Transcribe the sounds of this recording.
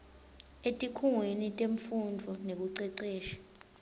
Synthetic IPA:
etʼikʰuŋwenitʼeɱfundʱɔnek̬uǀɛǀɛːʃḁ

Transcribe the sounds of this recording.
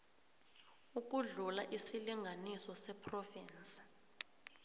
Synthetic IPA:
uk̬uɮula̰ʔisiliŋɡʱanisɔsɛpʰrɔviːnt͡sʼi̥

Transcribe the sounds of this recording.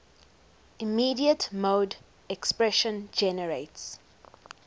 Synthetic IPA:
imiːdiətmoːd | ɛkspɹɛʃə̃nd͡ʒɛnəɹeɪts

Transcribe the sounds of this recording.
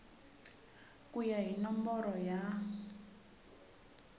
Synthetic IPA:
kʼujaɦinɔmbɔɾɔja

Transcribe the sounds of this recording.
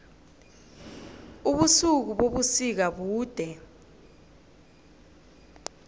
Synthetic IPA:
uɓusuk̬uɓoɓusik̬aɓuːd̥ʱɛ

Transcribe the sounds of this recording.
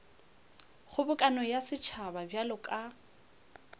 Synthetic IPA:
χʊbʊkʼanɔjasɪt͡ʃʰababjalʊkʼa

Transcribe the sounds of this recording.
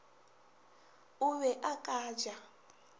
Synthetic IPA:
uβɛʔakʼaːd͡ʒa

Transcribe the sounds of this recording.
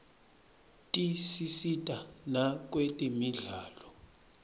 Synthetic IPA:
tʼisisitʼanak̬ʼwetʼimiɮaːlɔ

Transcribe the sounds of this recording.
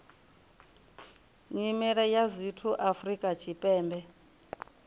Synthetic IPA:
ŋimɛɺɛjazʷitʰuʔafrikʼat͡ʃʰipʼɛːmbɛ

